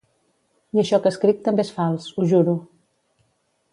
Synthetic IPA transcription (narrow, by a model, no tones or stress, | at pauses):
iəʃɔkəskɾik̚t̪ːəmbeesfalˠsuʒuɾu